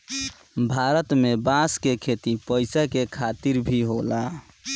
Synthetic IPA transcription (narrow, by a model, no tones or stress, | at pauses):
bʱaɾət̪mebãskekʰet̪ipəɪsakekʰat̪iɾbʱiɦola